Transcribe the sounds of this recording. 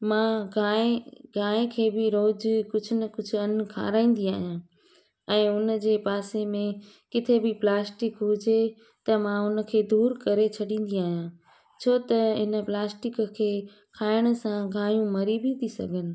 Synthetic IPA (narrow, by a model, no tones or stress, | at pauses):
mãɡaːeɡʱaːẽkʰeːbɪɾoːd͡ʑkʊd͡ʑʱʊnɐkʊd͡ʑʱʊɐn̆kʰa̰ːɾaːĩːn̆d̪iaːɦijã | ɛ̃ːʊnəd͡ʑeːpaːsemẽ | kɪt̪ʰebɪplaːsʈɪkɦʊd͡ʑe | t̪ɐmãʊnə̆kʰeːd̪uːɾkɐɾet͡ɕʰɐɗĩːn̆d̪iaːɦijã | t͡ɕʰoːt̪ɐɦɪnə̆plaːsʈɪkkʰeː | kʰaːɪɽ̃ʊ̆sãɡʱaːjũmɐɾibit̪ʰisɐ̰ɡʱənɪ̆